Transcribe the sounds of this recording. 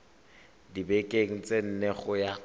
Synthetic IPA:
dibekʼeŋ̩t͡sʼen̩neχʊja

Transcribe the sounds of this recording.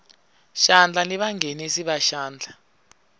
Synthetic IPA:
ʃand͡ɮʱaniɓaŋʱenisiɓaʃaːnd͡ɮʱa

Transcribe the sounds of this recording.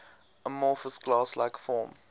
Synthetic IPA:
ʔəmɔːˑfəsɡlɑːslaɪkfɔːm

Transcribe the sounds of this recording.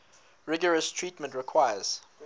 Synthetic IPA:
ɹɪɡəɹəstʰɹiˑtmə̃ntɹɪkʰw̥ajəz̥

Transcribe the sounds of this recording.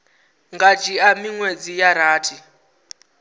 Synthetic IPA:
ŋɡat͡ʃʰiamiŋwed͡zijaɾaːtʰi

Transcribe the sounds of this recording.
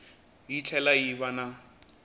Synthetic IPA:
jit͡ɬʰɛlajiβana

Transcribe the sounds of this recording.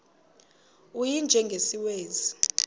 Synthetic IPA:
ujind͡ʒʱɛŋɡʱesiweːzi

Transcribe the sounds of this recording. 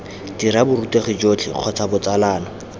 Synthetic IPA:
d̥iɾabʊruteχɪd͡ʒot͡ɬʰɪ̰q͡χʰɔt͡sʰabʊt͡salaːnɔ

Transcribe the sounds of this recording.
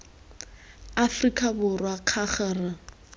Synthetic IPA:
afrikʼabʊrwaq͡χʰaχɛra

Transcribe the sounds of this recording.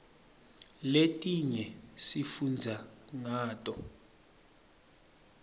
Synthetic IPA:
letʼiɲɛsifund͡zʱaŋaːtʼɔ

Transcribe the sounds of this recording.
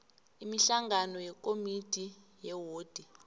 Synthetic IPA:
imiɬaŋɡanɔjɛkʼomitʼi | jɛwoːd̥ʱi

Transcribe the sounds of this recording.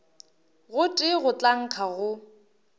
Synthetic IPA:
ɣʊtʼɪɣʊt͡ɬʼaŋ̩q͡χʰaɣʊ

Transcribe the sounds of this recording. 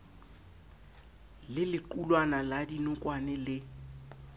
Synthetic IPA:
lɪlɪǃulwanaladinʊkʼwanɛlɪ

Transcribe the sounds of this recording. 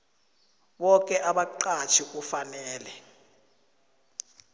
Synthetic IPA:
ɓɔk̬ʼɛʔaɓaǃat͡ʃʰik̬ʼufanɛːlɛ

